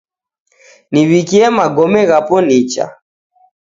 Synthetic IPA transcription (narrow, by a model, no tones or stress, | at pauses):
niβikiɛmaɡɔmɛɣapɔnit͡ʃa̰